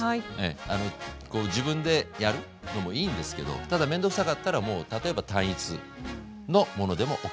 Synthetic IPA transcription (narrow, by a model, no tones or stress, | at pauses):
iḛano̞ko̞ːʑibɯ̟̃nd̪e̞jaɾɯ̟ | no̞mo̞iːnd̪e̞sɨ̥ke̞d̪o̰t̪ad̪amẽ̞nd̪o̞ksakat̪ːaɾamo̞ːt̪at̪o̞e̞bat̪ãɰ̃it͡sɨ | no̞mo̞no̞d̪e̞mo̞ʔok